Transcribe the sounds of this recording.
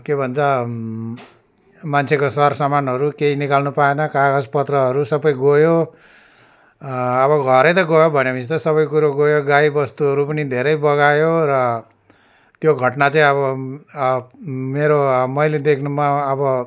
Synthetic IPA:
kebʱʌnt͡sʰʌ | mant͡sʰekosʌrsʌmanɦʌɾukeinikalnupaenʌkaɡʌspʌt̪rʌɦʌɾusʌbʌjɡojo | βʌɡʱʌɾʌjt̪ʌɡojobʱʌnemit̪ʌsʌbʌjkuɾoɡojoɡaibʌst̪uʌɾupʌnid̪ʱeɾʌjbʌɣajoɾʌ | t̪joɡʱʌʈnat͡saĩʌβʌ | meɾomʌjled̪ekʰnumʌːbʌ

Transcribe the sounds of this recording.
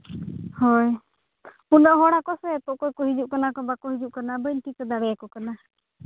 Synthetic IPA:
hɔj | unɔʔɦɔɽakɔsɛt̪ɔʔkɔjkɔɦid͡ʒuʔkanakɔbakɔɦid͡ʒuʔkanabəjnʈikɔd̪aɽɛjakɔkana

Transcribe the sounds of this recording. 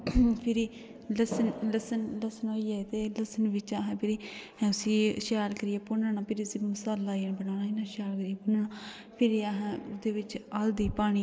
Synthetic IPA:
pʰɪɾiː | ləsənləsənləsənoːiːɛːt̪eːləsənʋɪt͡ʃaːɦɛ̃ːpʰɪɾiː | ʊsiːʃaːlkəɾɪjɛːpʊnɳaːpʰɪɾisiːmʊsaːlːaːiənbənaːnaːɪnãːʃaːlkəɾijɛːpʊnəɳa | pʰɪɾiaːɦɛ̃ːd̪eːʋɪt͡ʃaːld̪iːpaːɽ̃iː

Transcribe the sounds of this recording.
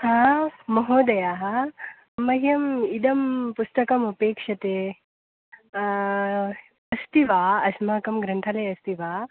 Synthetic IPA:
hãːmɐɦoːd̪ɐjaːɦɐ | mɐɦjɐmid̪ɐmpust̪ɐkɐmɐpeːkʂɐt̪eː | ɐst̪iʋaːɐsmaːkɐmɡɾɐnt̪ʰɐlɐjɐst̪iʋaː

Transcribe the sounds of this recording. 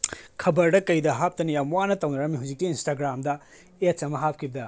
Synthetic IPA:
kʰɐbɐɾdɐkɐjdɐɦap̚tɐnijamuwanɐtɐwnɐɾɐmiɦauwziktːiːnstaɡɾamdɐ | ett͡ʃsɐmɐɦap̚kʰibɐdɐ

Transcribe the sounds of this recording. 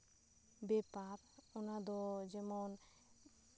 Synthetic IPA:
bɛpaɾ | onad̪ɔd͡ʒɛmon

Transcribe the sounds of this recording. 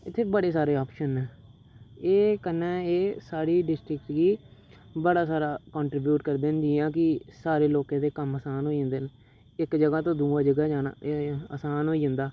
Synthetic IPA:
ɪt̪ʰːeːbəɽeːsaːɾeːoːpʃənɛː | eːkənːɛːeːsaːɾiːɖɪsʈɾɪk̚ʈɡiː | bəɽaːsaːɾaːkɔ̃ːɳʈɾɪbjuːʈkəɾd̪eːnd͡ʒiːãːk̬ɪsaːɾeːloːkãːd̪eːkəməsaːnɦoːiə̃nd̪eːn | ɪkd͡ʒəɡaːt̪õːd̪uːãːd͡ʒəɡaːd͡ʒaːna̰ːə̰saːnɦoːiːə̃nd̪aː

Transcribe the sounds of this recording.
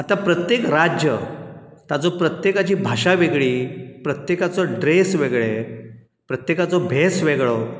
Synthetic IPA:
at̪apɾət̪jekɾad͡ʑjə | t̪at͡sɔpɾət̪jekat͡ɕiːbʱaɕaʋeɡɭiːpɾət̪jekat͡sɔɖɾesʋeɡɭe | pɾət̪jekat͡sɔbʱesʋeɡɭɔ

